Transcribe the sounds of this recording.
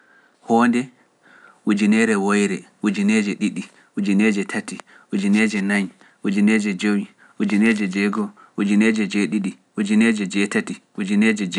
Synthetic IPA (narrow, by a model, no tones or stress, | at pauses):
hɔndɛ | ʔud͡ʒinɛɾɛwojɾɛʔud͡ʒinɛd͡ʒɛɗiɗi | ud͡ʒinɛd͡ʒɛtʰati | ʔud͡ʒinɛd͡ʒɛnaɲ | ʔud͡ʒinɛd͡ʒɛd͡ʒowi | ʔud͡ʒinɛd͡ʒɛd͡ʒɛɡɔ | ʔud͡ʒinɛd͡ʒɛd͡ʒɛɗiɗi | ʔud͡ʒinɛd͡ʒɛd͡ʒɛtati | ud͡ʒinɛd͡ʒɛd͡ʒ